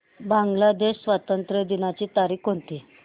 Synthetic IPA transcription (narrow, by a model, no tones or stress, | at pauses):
bãŋɡlad̪eɕsʋat̪ənt̪ɾəd̪inat͡ɕiːt̪aɾiːkɦont̪iː